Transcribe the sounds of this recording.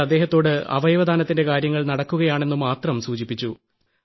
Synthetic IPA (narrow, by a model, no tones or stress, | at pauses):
ɐd̪ːe̞ːɦɐt̪ːo̞ːɽɨɐ̰ʋɐjɐʋɐd̪ʱaːnɐt̪ːinde̞kaːɾjɐŋːɐɭnɐɽɐkːuɣɐjaːɳe̞nːumaːt̪rɐmsuːt͡ɕipːit͡ɕːu